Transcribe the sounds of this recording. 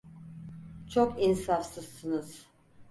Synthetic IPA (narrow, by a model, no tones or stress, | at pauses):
t͡ʃʰokinsafsɯzsɯnɯz̥